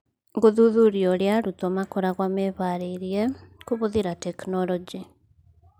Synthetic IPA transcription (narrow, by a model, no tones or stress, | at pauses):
ŋɡoðuðuɾiɔɾjaɾutɔmakoɾaɣwameβaɾeiɾiekuβoðiɾatɛknɔlɔd͡ʒi